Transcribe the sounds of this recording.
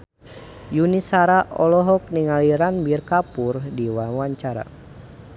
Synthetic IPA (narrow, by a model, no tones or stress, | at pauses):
junisaɾaʔɔlɔɦɔk̚niŋaliɾanbirkapurdiwawaɲt͡ʃaɾa̰